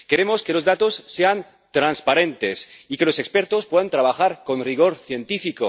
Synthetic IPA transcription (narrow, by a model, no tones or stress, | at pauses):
ke̞ɾemo̞ske̞lo̞zðat̪o̞sːe̞an | t̪ɾanspaɾe̞nt̪e̞sikelo̞se̞kspeɾt̪ospweðant̪ɾaβaxaɾko̞nriɣ̞o̞ɾθje̞nt̪ifiko